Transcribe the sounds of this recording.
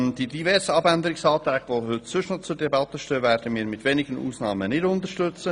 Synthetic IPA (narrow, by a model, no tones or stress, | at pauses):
nd̥idivɛɾsəɑbænd̪əɾɪksɑːt̪ɾɛːɡ̥ʋohʏt̪sʏʃnot͡sʊɾdɛbɑt̪əʃtøːvɛːɾd̥əmiːɾmɪtʋenɪɡənʔṵːsnɑːmənɪdʊnt̪əɾʃtʏt͡sə